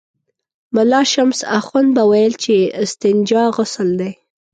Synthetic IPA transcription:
mʊlɑʃamsa̰xand̪̚bawajəlt͡ʃeɪst̪ɪnd͡ʒɑɣʊsəld̪aj

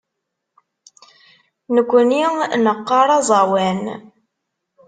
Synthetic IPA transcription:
nəkʷːəninəqːɑɾˤɑzˤɑwæn

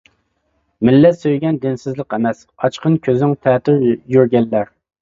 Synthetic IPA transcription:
mɪlːɛsøjɡʲɛnd̪ɪnsɪzlˠəqɛmɛs | ɑt͡ʃqʰənkʲʰøzɪŋt̪ʰɛt̪ʰyɾjyɾɡʲɛlːæɾ

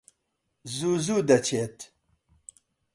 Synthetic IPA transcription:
zuːzuːd̪ɐt͡ʃʰeːt̪

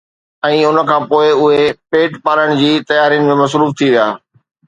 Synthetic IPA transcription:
ɛ̃ːʊn̆kʰãːpoːɪʊɦepeːʈpaːɾəɽ̃̆d͡ʑiːt̪ɐjaːɾijʊnɪmẽmɐsɾuːft̪ʰiʋija̰ː

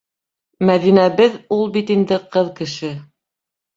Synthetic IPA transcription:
mæðinæβɘðulˠbit̪ind̪ɘqɤðkɘ̆ʃɘ

